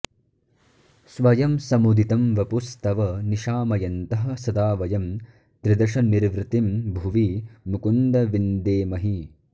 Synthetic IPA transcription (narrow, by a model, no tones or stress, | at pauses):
sʋɐjɐmsɐmud̪ʱit̪ɐmʋɐpust̪ɐʋɐniʃaːmɐjɐnt̪ɐɦɐ̆sɐd̪aːʋɐjɐm | t̪ɾid̪ɐʂɐniɾʋɾɪt̪imbʱuʋimukund̪ɐʋind̪eːmɐɦi